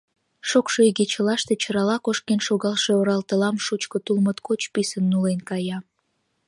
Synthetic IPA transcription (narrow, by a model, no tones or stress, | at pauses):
ʃokʃoiɣet͡ɕəlɑʃt̪e̽t͡ɕəɾɑlɑkoʃkenʃoɣɑlʃe̽oɾɑlt̪əlɑmʃut͡ɕkət̪ulmət̪kot͡ɕpisənːulenkɑjɑ